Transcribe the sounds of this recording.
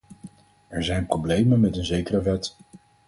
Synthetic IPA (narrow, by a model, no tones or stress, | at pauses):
ɛɹzɛjnproblejmənmɛtənzejkərəʋɛt